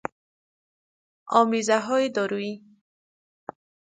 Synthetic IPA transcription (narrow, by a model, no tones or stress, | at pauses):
ɔmizaɦɔid̪ɔɾui